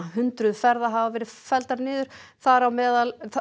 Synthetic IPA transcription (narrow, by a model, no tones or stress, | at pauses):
ɦʏnt̪ɾʏðfɛɾðaɦavavɛːɾɪfɛlt̪aɾnɪːðʏɾ̥θaɾawmɛːðal